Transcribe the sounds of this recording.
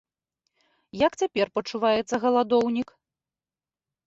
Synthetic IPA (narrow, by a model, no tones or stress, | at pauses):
jakt͡sʲapʲɛrpɐt͡ʂuvajɛt̪sːɐɣɐlˠad̪ɔwnʲik